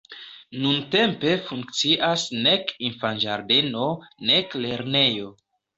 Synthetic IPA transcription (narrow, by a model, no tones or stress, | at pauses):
nunte̞mpe̞fuŋk̚t͡siʔasne̞kinfand͡ʒaɾde̞no̞nekle̞ɾne̞jo̞